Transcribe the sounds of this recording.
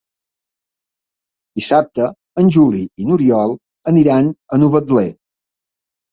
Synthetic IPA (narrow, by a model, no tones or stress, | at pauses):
d̪̥isap̚t̪əː | nʲʒuliinuɾiɔlˠ | əniɾanənuβəd̪le